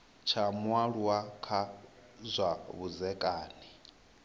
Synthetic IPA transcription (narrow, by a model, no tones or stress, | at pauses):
t͡ʃʰamwaɺuwakʰa | zʷaβuzɛkʼaːni